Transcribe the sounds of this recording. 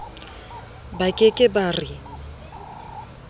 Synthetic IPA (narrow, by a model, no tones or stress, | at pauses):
bakʼɪkʼɪbari